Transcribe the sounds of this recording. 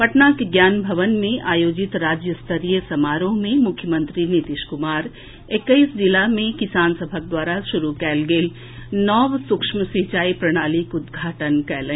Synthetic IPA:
pɐʈnakeɡjaːnbʱɐʋənmẽʔaːjoːd͡ʒɪt̪ɾaːd͡ʒjəst̪ʰəɾijəsɐmaːɾõmẽmʊkʰjəmə̃nt̪ɾinit̪ɪʃkʊmaːɾ | ekːəisd͡ʒɪlamẽkɪsaːnsəbʱək̚d̪waːɾaʃʊɾukɛːlɡeːl | nɔːʋsʊkʃməsit͡ʃaːipɾɐɽ̃aːlikʊd̪ɡʱaːʈənkɛːlẽ

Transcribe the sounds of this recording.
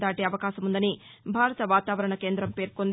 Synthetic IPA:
d̪aːʈeːɐʋɐkaːʃɐmund̪ɐni | bʱaːɾɐt̪ɐʋaːt̪aːʋɐɾɐɳɐke̞ːnd̪ɾɐmpe̞ːɾkond̪

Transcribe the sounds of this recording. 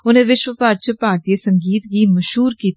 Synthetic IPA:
ʊnẽːʋɪʃʋəpaːɾt͡ʃəpaːɾt̪ieːsəŋɡiːt̪ɡiːməʃɦuːɾkiːt̪

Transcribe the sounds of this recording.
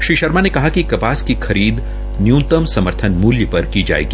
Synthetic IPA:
ʃɾiːʃɐɾmanekɐɦakikɐpaːskixɐɾiːd̪ | njũːt̪əmsɐməɾt̪ʰənmuːljəpɐɾkid͡ʒa̰ːḛːɡi

